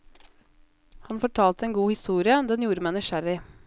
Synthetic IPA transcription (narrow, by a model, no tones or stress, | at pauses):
hɑnfɔʈʰɑːlt̪əeːnɡuːhɪst̪uːɾɪəd̪ɛnjuːɾəmæɪnɪʃæɾɪ